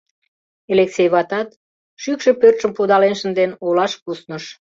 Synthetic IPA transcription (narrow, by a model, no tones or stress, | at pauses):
eleksejβɑt̪ɑt̪̚ | ʃykʃepørt̪ʃəmpud̪ɑlenʃə̆nd̪enolɑʃpusnəʃ